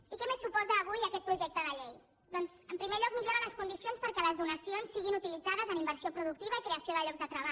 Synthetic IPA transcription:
ikɛmesːupɔzəːβujəkɛt̪pɾuʒɛk̚t̪əðəʎej | d̪ɔnzəmpɾimeʎɔk̚miʎoɾələskund̪isionspəɾkɛləzðunəsionsːiɣinut̪ilid͡zaðəzənimbəɾsiopɾuðuk̚t̪iβəikɾeəsioðəʎɔɡzðət̪ɾəβa

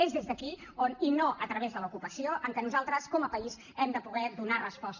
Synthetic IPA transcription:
ezðezðəki | oninoʔət̪ɾəβezðəlukupəsioʔəŋkɛnuzalˠt̪ɾəskɔməpəiz | ɛmd̪əpuɣɛðunarəspɔst̪

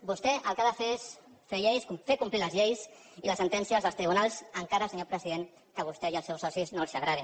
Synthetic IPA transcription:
bust̪ɛʔəlˠkaðəfes | feʎejskfekumpliləzʎejs | iləsənt̪ɛnsiazðəlˠst̪ɾiβ̞unalˠzəŋkaɾəlsəɲopɾəziðeŋ | kəβ̞ust̪ɛiəlsɛwsɔsiznolˠsaɣɾaði

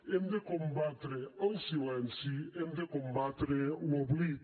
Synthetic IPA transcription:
ẽnd̪ekõmbat̪ɾeosilɛ̃nsiẽnd̪ekõmbat̪ɾeuɔbli

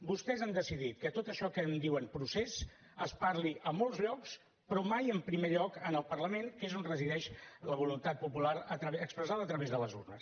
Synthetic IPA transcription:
bust̪ɛzand̪əsiðit̪̚kət̪ot̪əʃɔkənd̪iwənpɾuses | əspaɾliʔəmolˠzʎɔks | pɾɔmajəmpɾimeʎɔkənəlˠpərləmeŋkezonrəziðɛʃləβulunt̪at̪̚pupulaɾət̪əkspɾəzaðəːt̪ɾəβezðələzṵrnəs

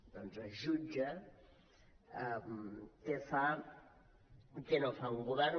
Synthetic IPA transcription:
d̪ɔnzəʒud͡ʒɐ | mkefa | kenofauŋɡuβɛr

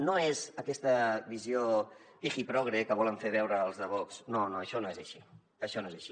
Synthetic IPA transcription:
noezəkɛst̪əβiziobixipɾɔɣɾekəβ̞ɔləɱfeβ̞ɛwɾəːlˠzðəβ̞ɔksnonoəʃɔnoezəʃi | əʃɔnoezəʃi

